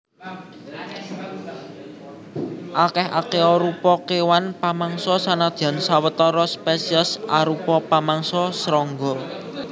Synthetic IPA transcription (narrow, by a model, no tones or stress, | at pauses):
ʔakɛhʔa̰keɔɾupɔkewanpamaŋsɔsanad̪̥ia̤nsawət̪ɔɾɔspesiəsaɾupɔpamaŋsɔsɾɔŋɡɔ